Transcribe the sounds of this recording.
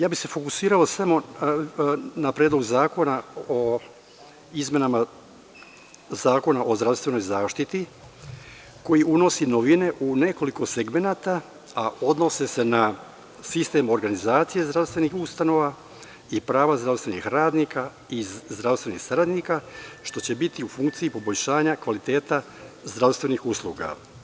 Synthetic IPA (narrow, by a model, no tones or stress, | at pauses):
jaːbise̞fo̞kusiːɾalosamo̞ | napɾed̪loɡzaːko̞nao | izme̞nama | zaːko̞naʔo̞zɾafst̪vʋe̞no̞jzaːʃt̪it̪i | ko̞jiʔuno̞sinoʋine̞ʔune̞ko̞liko̞seɡmenaːt̪a | ao̞d̪no̞sese̞na | sist̪e̞mo̞ɾɡanizaːt̪sije̞zd̪ɾavst̪vʋe̞nixust̪ano̞ʋa | ipɾaːʋazd̪ɾaʋst̪ʋe̞nḭxɾaːd̪nika | izd̪ɾafst̪ʋe̞nḭxsaɾad̪nikaʃt̪o̞t͡ɕe̞bit̪iufuŋkt̪siipo̞boʎʲʃaːɲakʋalit̪e̞ːt̪a | zd̪ɾaʋst̪ʋe̞nixuslˠuːɡa̰